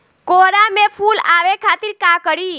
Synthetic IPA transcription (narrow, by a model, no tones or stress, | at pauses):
koɾamefʰulaʋekʰat̪iɾkakəɾiː